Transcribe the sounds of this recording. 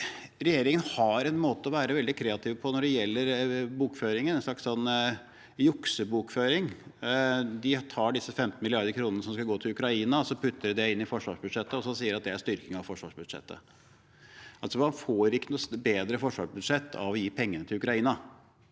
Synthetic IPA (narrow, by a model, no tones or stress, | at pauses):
ɾɛjeːɾɪŋənhɑɾɛnmoːt̪əɔʋæːɾəʋɛld̪ɪkʰɾeːɑt̪ʰɪːʋpʰɔnɔɖɛjɛlːəɾbuːkføːɾɪŋənɛnsʂɭɑkssɔnː | jʊksəbuːkføːɾɪŋ | d̪ɪt̪ʰɑːɖɪsːəfɛmt̪n̩mɪlɪɑɾd̪əɾkʰɾuːnənəsɔmskɑlɡoːt̪ʰɪlʉkɾɑiːnɑɔsɔpʰʉt̪ʰːəɾd̪ɛɪnːɪfɔʂʋɑːʂbʉd̪ʂɛt̪ːəɔsɔsiːəɾɑt̪̚d̪ɛæʂt̪ʏɾkɪŋɑʋfɔʂʋɑ̰ːʂbʉd̪ʂɛ̰t̪ːə̰ | ʔɑlsɔmɑnfoːɾɪkːənʊsbeːd̪ɾəfɔʂʋɑ̰ːʂbʉd̪ʂɛt̪ʰːɑ̰ʋɔjiːpʰɛŋːənət̪ʰɪlʉkɾɑiːnɑ